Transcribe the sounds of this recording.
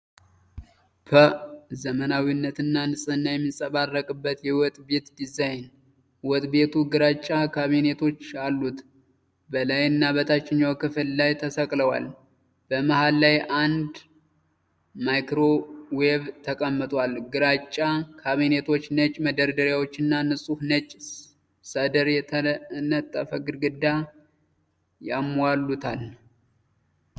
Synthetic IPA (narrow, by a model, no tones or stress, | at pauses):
pʰəzəmənawinːət̪ɨnːanɨsʼɨnːajɛmːisʼəβarːəkʼɨbːət̪jɛwɔt̪ʼbe̞t̪d̪izajn | wɔt̪ʼbe̞t̪ʰuɡɨɾat͡ʃʼːakʰaβine̞t̪ʰo̞t͡ʃːalːut̪ | bəlajɨnːabət̪ʰat͡ʃːɪɲːawkɨfɨllajt̪ʰəsəkʼləwa̰l | b̥əmahalːajʔand̪ | majkɾo̞weβt̪ʰəkʼəmːɨt̪ʼwalɡɨɾat͡ʃʼːakʰaβine̞t̪ʰo̞t͡ʃːnət͡ʃʼːməd̪əɾd̪əɾjawo̞t͡ʃːɨnːanɨsʼuhnət͡ʃʼ | səd̪əɾjɛnət̪ʼːəfəɡɨɾɡɨd̪a | jamːalːut̪ʰal